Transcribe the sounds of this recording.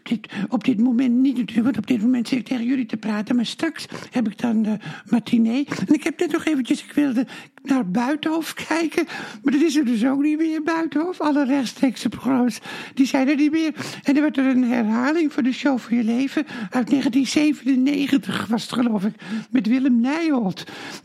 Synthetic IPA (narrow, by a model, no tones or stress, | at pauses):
p̚dɪtɔp̚dɪtmomɛntnitnatykʋɔntɔb̚dɪt̚momɛntsɪtɪk̚tʰeːɣənjølitəpraːtənmaɹstrakshɛbɪk̚dɔnmatʰineːɛnɪkhɛp̚nɛtnɔxeːvən̩tjəsɪkʋɪlˠdə | narbœɥtəhofkʰɛjkʰəmardɑtɪs̬ərdøs̬oknitʋɪːərbœɥtəhoːfɑlərɛxtstreːksəproxrosd̥isɛjdərniʋɪərɛndɑʋɔtərənɦɛrhaːlɪŋfʊːdəʃoːfɔnjəleːvəœɥtneːɣəntinseːvənənːeːɣəntəxʋɔsətχəlowfɪkmɛtʋɪlˠəmnɛjolˠt